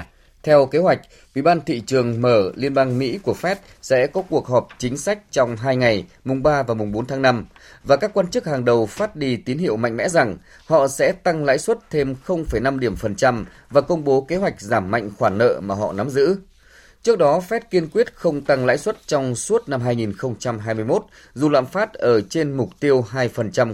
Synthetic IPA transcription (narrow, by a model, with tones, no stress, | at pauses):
t̪ʰɛ˧wke˨˦ɦwa˨˩jk̟̚ | ʔwḭ˧˩˨ɓaː˧nt̪ʰḭ˧˨t͡ɕɨ˨˩əŋməː˧˩li˧ənɓaː˧ŋmḭ˧˥ku˧˩əfɛ˦˥t̚ | sɛ̰˧˥kɔ˨˦ku˨˩ək̚ɦɔ˨˩p̚t͡ɕï˨˦ŋ̟sa˦˥jk̚t͡ɕɔ˧wŋ͡mɦaː˧jŋa˨˩j | mʊ˨˩ŋ͡mɓaː˧vaː˨˩wmʊ˨˩ŋ͡mɓo˨˦nt̪ʰa˨˦ŋna˧m | vaː˨˩kaː˦˥kːwaː˧nt͡ɕɨ˦˥k̚haː˨˩ŋɗə˨˩wfaː˦˥t̚ɗi˧˩t̪i˨˦ənhḭ˧˨əwma̰˧˨ŋ̟mɛ̰˧˥za˨˩ŋ | hɔ̰˧˨sɛ̰˧˥t̪a˧ŋla̰ː˧˥jswə˦˥t̚t̪ʰe˧mxə˧wŋ͡mfə˧˩jna˧mɗi˧˩əmfə˨˩nt͡ɕa˧m | vaː˨˩kə˧wŋ͡mɓo˨˦ke˨˦ɦwa˨˩jk̟̚zaː˧˩mːa̰˧˨jŋ̟xwaː˧˩nːə̰ː˧˨maː˨˩ɦɔ̰˧˨na˨˦mzɨ̰˧˥ | t͡ɕɨ˦˥ək̚ɗɔ˨˦fɛ˦˥t̚ki˧ənkwi˦˥ət̚xə˧wŋ͡mt̪a˧ŋla̰ː˧˥jswə˦˥t̚t͡ɕɔ˧wŋ͡mswu˦˥ət̚na˧mɦaː˧jŋi˨˩nxə˧wŋ͡mt͡ɕa˧mɦaː˧jmɨ˧jmo˦˥t̚ | zu˨˩la̰ː˧˨mfaː˦˥t̚ʔəː˧˩t͡ɕe˧nmʊ˨˩k͡p̚t̪i˧əwɦaː˧jfə˨˩nt͡ɕa˧m